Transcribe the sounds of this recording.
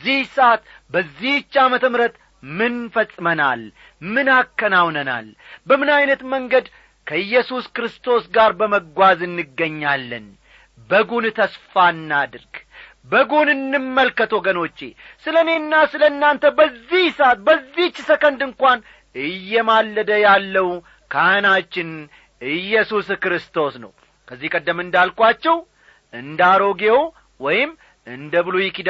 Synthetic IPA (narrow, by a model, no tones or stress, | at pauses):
zːihsat̪ | bəzːiht͡ʃːamət̪ʰəmɾət̪ | mɨnfəsʼːɨməna̰l | mɨnakːənawnəna̰lbəmɨnajnət̪məŋɡəd̪ | kʰəjːɛsuskɾɨst̪ʰo̞sɡaɾbəməɡʷazɨnːɨɡːəɲːalːɨ̰n | bəɡunt̪ʰəsfanːad̪ɨɾɡ | bəɡunɨnːɨmːəlkət̪ʰoɡəno̞t͡ʃːḛsɨləne̞nːasɨləɨnːant̪ʰəbəzːihsat̪̚bəzːit͡ʃːsəkənd̪ɨŋkʷan | ɨjːɛmalːəd̪əjalːəw | kʰanat͡ʃːɪn | ɨjːɛsuskɾɨst̪ʰo̞snə̰w | kʰəzːihkʼəd̪ːəmɨnd̪alkʼwat͡ʃːɛw | ʔɨnd̪aɾo̞ɡew | wɔjɪm | ɨnd̪əβɨlojɪkid̪